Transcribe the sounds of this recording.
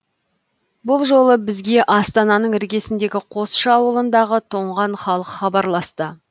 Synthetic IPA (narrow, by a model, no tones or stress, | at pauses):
bʊlˠʒo̞lˠəbɪzɡʲe̞ʔɑst̪ɑnɑnəɴɪɾɡʲe̞sɪnd̪e̞ɡʲɪqʰo̞sʃɑːwəlˠənd̪ɑʁət̪ʰo̞ɴʁɑɴχɑlˠəqχɑbɑɾlˠɑst̪ə